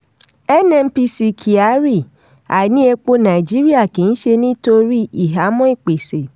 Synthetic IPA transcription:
ɛ˦nɛ̃˧m̩˦pi˧˦si˨kʰi˨a˨˦ɾi˦˨ | a˨nĩ˦e˧k͡po˦nã˨i˨d͡ʒi˦ɾi˦a˦˨kĩ˨n̩˦ʃe˧nĩ˦to˧ɾi˦i˨ɦa˨˦mɔ̃˦i˦˨k͡pe˨se˨

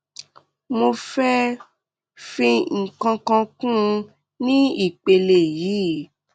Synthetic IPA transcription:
mo˧fɛ˦ | fĩ˧ŋ̩˨kã˧kã˧kũ˦˧ | nĩ˦i˦˨k͡pe˧le˨ji˨˦

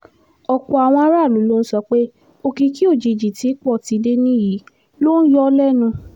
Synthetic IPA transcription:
ɔ˨kɔ˨a˨w̃ɔ̃˧a˦ɾa˦˨lu˨˦lo˦n̩˦sɔ˧k͡pe˦ | o˧ki˧ki˦o˦˨d͡ʒi˧˨d͡ʒi˨ti˨˦k͡pɔ˦˨ti˧de˦nĩ˦ji˨˦ | lo˦n̩˦jɔ˦lɛ˦˨nũ˧

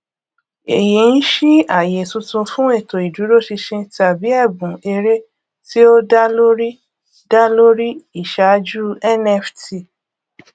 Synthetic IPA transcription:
e˨ji˨n̩˦ʃi˦a˦˨je˨tũ˧tũ˧fũ˦e˦˨to˨i˨du˨˦ɾo˦˨ʃi˧ʃĩ˧ta˨bi˨˦ɛ˦˨bũ˨e˧ɾe˦ | ti˦o˦da˦lo˦ɾi˦ | da˦lo˦ɾi˦i˦˨ʃa˨˦d͡ʒu˦ɛ˦˨nɛ˦˨fti˧˨

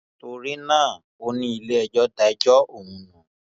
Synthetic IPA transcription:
to˧ɾi˦nãː˦˨ | o˧˦nĩ˧i˨le˦ɛ˨d͡ʒɔ˦da˧ɛ˦d͡ʒɔ˦o˦˨ŋũ˨˧˦nũ˨

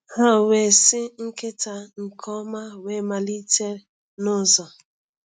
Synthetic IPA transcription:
ha˦˨we˨sɪ˦ŋ̩˦ke˦ta˨ŋ̩˨kʰɔ˦ma˦we˦ma˨li˦te˦ɾ | nʊ˦˨zɔ˨

